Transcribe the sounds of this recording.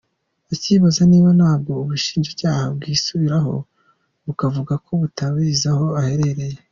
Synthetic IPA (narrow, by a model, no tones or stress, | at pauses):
aciβazaniːβanhaːb̚ɡo̞uβuʃi̥ːnʒecaːhab̚ɡiːsuβiɾaɦo̞̰ | βukavuɡakʰo̞βutaβizaho̞ahe̞ɾeɾe̞je